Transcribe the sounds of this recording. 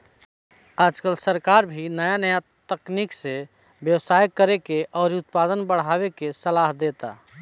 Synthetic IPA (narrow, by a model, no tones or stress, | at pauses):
ad͡ʒkəlsəɾkaɾbʱinəjanəjat̪əknikse | bjəwsajkːəɾekeʔɔːɾiut̪pad̪ənbəɽ̤abekesəlaɦd̪et̪a